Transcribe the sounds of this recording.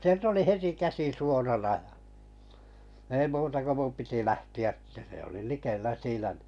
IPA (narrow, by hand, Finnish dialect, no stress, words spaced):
sielt oli heti kæsi suorɑnɑ j̆ɑ ei muːtɑ ko mum piti læhtiæ tːæ se oli likelːæ siːnæ̥ n̥i̥